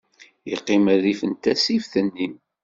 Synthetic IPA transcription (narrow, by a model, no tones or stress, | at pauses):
jiqːɪməðifənt̪æsifθənːi